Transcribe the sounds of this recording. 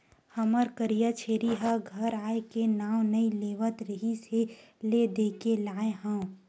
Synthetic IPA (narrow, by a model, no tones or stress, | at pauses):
həməɾkəɾijat͡ʃʰeːɾiɦaɡʱəɾaːekenaːw̃nɐileːʋət̪ɾəɦiseled̪eːkelaːẽɦə̃ː